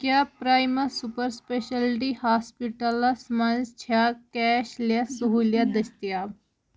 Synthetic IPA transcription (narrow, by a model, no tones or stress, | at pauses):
kjaːpɾaːjmɐsupəɾspeʃɐlʈihaːspiʈɐlasmɐnzt͡ʃʰaːkɛːʃljasuɦuːljad̪ɐst̪ijaːb